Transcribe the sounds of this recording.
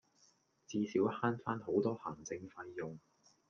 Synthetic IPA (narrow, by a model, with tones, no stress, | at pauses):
t͡siː˧siː˨˥whaː˥nfaː˥nɦo˨˥wt̪ɔː˥hɐː˨˩ŋt͡sɪ˧ŋfɐ˧jːʊ˨ŋ